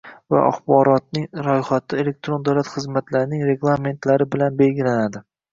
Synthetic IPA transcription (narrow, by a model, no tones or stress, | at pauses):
va̰ʔa̰χbɒɾɒt̪̚nɪŋɾɒjχat̪ʰɪe̞le̞k̚t̪ɾond̪awlat̪χɨzmat̪laɾɪnɪŋɾe̞ɡlˠame̞nt̪laɾɪbɪlanbe̞lɡʲɪlanad̪ɪ